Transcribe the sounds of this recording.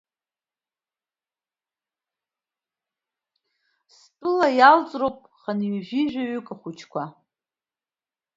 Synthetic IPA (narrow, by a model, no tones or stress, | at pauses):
s | pʼɨlajalt͡sʼrowpʼχanɥaʒᶣiʒᶣaɥʏkʼaχʷut͡ʃʰkʷa